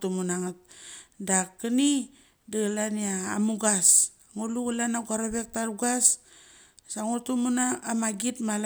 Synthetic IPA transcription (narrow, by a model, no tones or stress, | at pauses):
tumunaŋat̚dakəni | daɡalania̰ːmuɡasaŋoluɡalanaɡaɾobek̚taɾuɡas | saŋotumunaːmaɡitmal